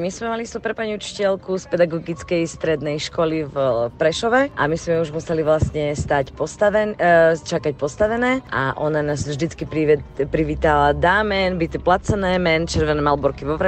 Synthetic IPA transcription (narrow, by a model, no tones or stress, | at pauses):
mizmɛmalist̪upɾɛpaɲiut͡ʃi̥cɛlkuspɛd̪aɡɔɡit͡skɛjst̪ɾɛd̪nɛjʃkɔlivpɾɛʃɔʋɛʔa̰mizmɛuʒmusɛliʋlasɲɛst̪acpɔst̪aʋɛnt͡ʃakac̚pɔst̪aʋɛnɛːʔa̰ʔɔnanaːzvʒd̪it͡skipɾipɾiʋiːt̪alad̪aːmɛnbict̪ɛplat͡sɛnɛːmɛnt͡ʃɛɾʋɛnɛːmalbɔɾkiʋɔʋɾɛ